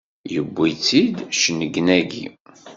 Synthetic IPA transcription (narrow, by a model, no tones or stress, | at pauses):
jəbːit͡sːid̪ʃnəɡnæɡḭ